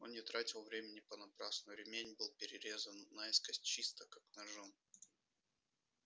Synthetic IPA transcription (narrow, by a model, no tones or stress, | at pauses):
onnʲɪt̪ɾatʲɪlˠvɾʲemʲɪnʲɪpənɐpɾasnʊɾʲɪmʲenʲbɨlˠpʲɪɾʲɪɾʲe̞zənːaɛskəsʲtʲt͡ɕist̪əkaknɐʐon